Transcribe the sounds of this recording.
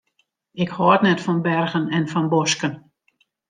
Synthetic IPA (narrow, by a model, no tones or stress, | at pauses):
ɪkhɔətnɛtfɔnbɛrɣənɛnfɔnboskən